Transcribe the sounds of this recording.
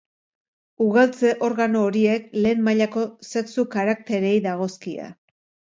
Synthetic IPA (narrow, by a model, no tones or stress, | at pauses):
uɣalt͡se̞ʔo̞ɾɣano̞ːɾie̞kle̞ːmmːaʎako̞se̞ksukaɾakt̪e̞ɾe̞jðaɣ̞o̞skia̰